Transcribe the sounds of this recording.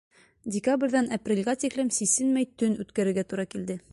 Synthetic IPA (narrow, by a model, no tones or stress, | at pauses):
dʲɪkabrʲðænɐprʲelʲɡæt̪iklɘmsisɘnmæjt̪ɵnʉt̪kæɾɘ̆ɾɡæt̪uɾɑkild̪ɘ